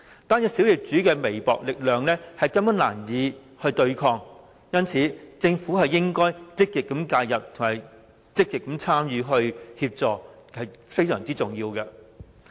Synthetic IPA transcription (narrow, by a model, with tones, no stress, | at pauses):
t̪aː˥njɐ˧si˨˥wjɪ˨k̚t͡syː˨˥kɛː˧me˨˩jpɔ̰ː˨k̚lɪ˨k̚lœː˨ŋlɛː˥hɐ˨jkɐ˥mkɐ˨˥nlaː˨˩njiː˨˧ | hɵ˧ɥt̪ɵ˧ɥkʰɔː˧ŋ | jɐ˥nt͡sʰiː˨˥t͡sɪ˧ŋfu˨˥ɦɐ˨jːɪ˥ŋkɔː˥jt͡sɪ˥k̚kɪ˨˩kːɐ˨˥mkaː˧jjɐ˨p̚t̪ʰʊ˨˩ŋma˨˩j | t͡sɪ˥k̚kɪ˨kːɐ˨˥mt͡sʰaː˥mjyː˨˧ɦɵ˧ɥhiː˧p̚t͡sɔː˨khɐ˨jfe˥jsœː˨˩ŋt͡siː˥t͡sʊ˨˩ŋjiː˧wkɛ˧